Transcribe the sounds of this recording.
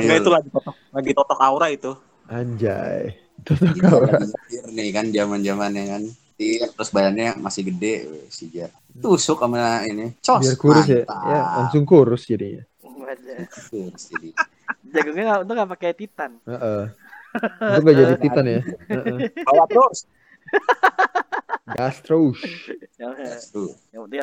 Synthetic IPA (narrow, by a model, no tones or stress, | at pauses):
ɡaiulaɡit̪ɔt̪ɔ | laɡit̪ɔt̪ɔkauɾait̪u | aɲd͡ʒa̰jɛ̰ | t̪ɔt̪ɔkauɾaiirnɪkand͡ʒamand͡ʒamanakan | t̪irt̪əɾʊsbajanɲamasɪhɡədɛḛsid͡ʒa | iuːsʊkamainit͡ʃɔbiarkuɾʊs̬jajalaŋsʊŋkuɾʊsd͡ʒadiɲa̰ | kuɾsd͡ʒadi | d͡ʒaɡuŋɲaŋaunt̪ʊŋɡaʔpakajt̪it̪anəʔə | t̪ʊŋɡaʔd͡ʒadit̪ianjaəʔəbawaos | ɡast̪ɾouʃ | ast̪ɾo